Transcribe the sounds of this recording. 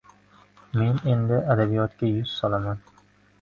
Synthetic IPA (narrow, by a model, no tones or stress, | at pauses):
me̞ne̞nd̪ɪʔad̪abijɒt̪kʲajʊz̥sɒlaman